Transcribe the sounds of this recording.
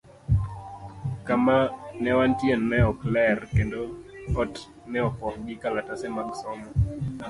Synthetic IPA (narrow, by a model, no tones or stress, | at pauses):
kamanɛwantjenːɛɔklɛrkendoɔt | nɛɔpɔhɡɪkalatasɛmaksɔmɔ